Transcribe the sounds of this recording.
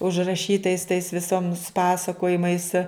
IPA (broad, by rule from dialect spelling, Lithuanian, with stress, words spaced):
ʊʒrɐˈʃʲiːtɐɪs tɐɪs ʋʲɪˈsoːms ˈpɑːsɐkoːjɪmɐɪs